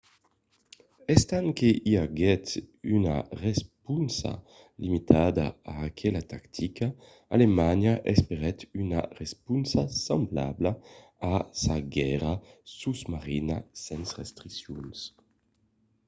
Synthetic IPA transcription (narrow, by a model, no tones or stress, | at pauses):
ɛst̪aŋkeʔiaɡɛt̪ynaʁɛspunsa̰ | limit̪ʰad̪a̰aːkʰɛlat̪akt̪ʰika | a̰lemaɲaʔɛspeʁɛt̪yna̰ʁɛspunsasambla̰bla | asaɡɛʁasuzmaʁinasɛnsʁɛst̪ʁisjuns